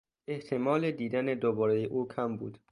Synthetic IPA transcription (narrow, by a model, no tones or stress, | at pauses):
e̞ht̪ʰe̞mɒːle̞d̪iːd̪æne̞d̪obɒːɾejeʔuːkʰæmbuːd̪̥